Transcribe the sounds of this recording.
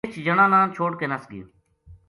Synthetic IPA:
t͡ʃʰd͡ʒəɳãːnãːnt͡ʃʰoːɽkeːnasɡḭ̃ː

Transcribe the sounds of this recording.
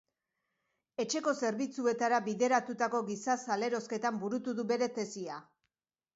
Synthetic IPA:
e̞t͡ʃe̞ko̞se̞ɾβit͡sue̞t̪aɾaβiðe̞ɾat̪ut̪ako̞ɣisasale̞ɾo̞ske̞t̪ambuɾut̪uðuβe̞ɾe̞t̪e̞sia

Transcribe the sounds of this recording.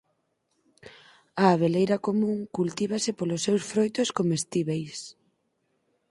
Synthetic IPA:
ɐːβ̞elejɾɐkomũŋkult̪iβ̞asɪpolʊsːewsfɾojt̪oskomest̪iβejs

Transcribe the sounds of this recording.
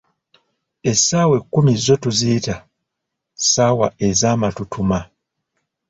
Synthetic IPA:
e̞sawe̞kːumizːo̞tuzita | saːwae̞zaːmatutʰuma

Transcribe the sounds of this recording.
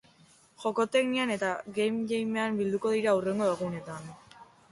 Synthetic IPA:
ʝo̞ko̞t̪e̞kniane̞t̪aɣejmʎejme̞ambild̪uko̞ðiɾaure̞ŋɡo̞eɣune̞t̪an

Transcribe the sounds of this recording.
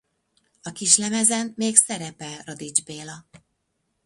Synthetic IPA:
ɒkiʃlɛmɛzɛnmeːksɛɾɛpɛlrɒd̪id͡ʒbeːlɒ

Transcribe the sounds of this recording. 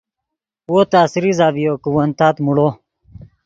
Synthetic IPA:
woːt̪aːsiɾizaːbijoːkuwɐnt̪aːt̪muɽoː

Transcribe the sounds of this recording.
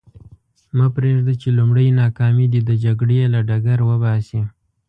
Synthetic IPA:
mapɾeʐd̪at͡ʃelumɽəjnɑkɑmid̪id̪əd͡ʒaɡɽelaɖaɡaɾwəbɑsi

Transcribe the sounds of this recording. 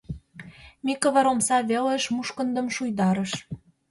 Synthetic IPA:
mikɤ̆βə̆ɾomsɑβelĕʃmuʃkə̆nd̪ə̆mʃujd̪ɑɾə̆ʃ

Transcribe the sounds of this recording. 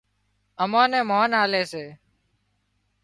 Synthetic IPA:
əmãːnẽːmaːnaːleːseː

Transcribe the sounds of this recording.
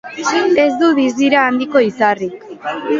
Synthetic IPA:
e̞zd̪uðizd̪iɾaːnd̪iko̞isarik

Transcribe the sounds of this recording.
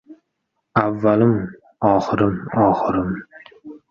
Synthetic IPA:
avːalɪm | ɒːχɨɾɪmɒːχɨɾɪm

